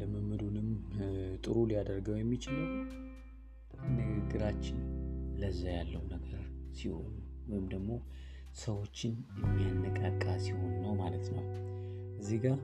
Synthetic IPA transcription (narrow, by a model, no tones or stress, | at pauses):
ləmɨmɨd̪unɨmt̪ʼɨɾulijad̪əɾɡəwjɛmːit͡ʃɪləw | nɨɡɨɡːɨɾat͡ʃːɪnləzːajalːəwnəɡəɾsiho̞̰nu | wɔjɪmd̪əɡmo̞ | səwo̞t͡ʃːɪnjɛmːijanːəkʼakʼːasiho̞nɨnːəwmalət̪nə̰wʔɨzːihɡa